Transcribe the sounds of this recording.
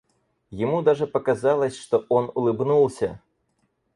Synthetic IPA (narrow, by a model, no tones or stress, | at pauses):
jɪmud̪aʐɨpɐkazalˠɐsʲʂt̪ɔʔɔnulˠɨbnulˠsʲɐ̰